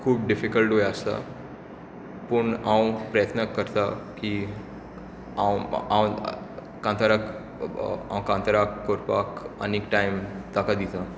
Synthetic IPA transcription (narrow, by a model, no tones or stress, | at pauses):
kʰuːp̚ɖifikəlʈɦojəst̪a̰ | pəɳãwpɾəjət̪nəkːəɾt̪aki | ãwãw̃ | kãnt̪aɾak | ã̰wkãnt̪əɾakːoɾpakəneːkʈajmt̪akad̪it̪ã